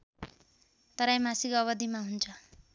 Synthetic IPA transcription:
t̪ʌɾajmasikʌβʌd̪imaɦunt͡sʰʌ

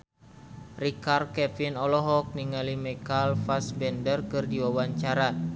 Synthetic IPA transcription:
rikarkɛfinɔlɔɦɔk̚niŋalimɛkalfasbɛndərkɨrdiwawaɲt͡ʃaɾa

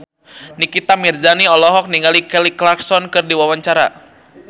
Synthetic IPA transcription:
nikit̪amird͡ʒaniɔlɔɦɔk̚niŋɡalikɛliklaksɔnkɨrdiwawaɲt͡ʃaɾa̰

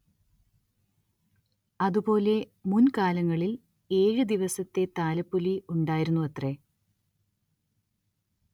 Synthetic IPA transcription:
ɐðupo̞ːle̞ | munkaːlɐŋːɐɭil | e̞ːɻɨd̪iʋɐsɐt̪ːe̞t̪aːlɐpːuliuɳɖaːjiɾunːuɐt̪re̞

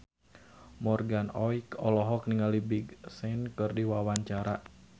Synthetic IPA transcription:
mɔrɡanɔikɔlɔɦɔk̚niŋalibiɡsɛnkɨrdiwawaɲt͡ʃaɾa

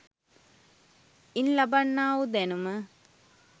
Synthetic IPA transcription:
inlɐbɐɳːaːwud̪enumə

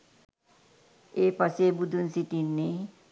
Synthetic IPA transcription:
epʌsebud̪ʱunsiʈinːe

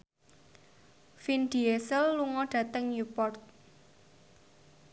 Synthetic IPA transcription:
find̪̥iesəlːuŋɔɖ̥ä̤t̪əŋjupɔrt̪̚

